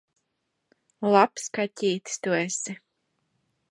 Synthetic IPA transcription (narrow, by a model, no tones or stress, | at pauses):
lˠapskatʲiːt̪st̪uɛsi